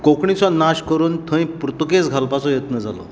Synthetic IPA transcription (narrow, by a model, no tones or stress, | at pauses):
kokɳit͡sɔnaɕkəɾuːnt̪ʰə̃j̃pɾət̪uket͡sɡʱalpat͡sɔjət̪nəd͡za̰lɔ̰